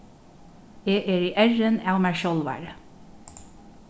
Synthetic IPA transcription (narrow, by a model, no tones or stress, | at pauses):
eːʔeːɹiːʔæɹənɑːʊmæʃɔlʋæ̰ːɹə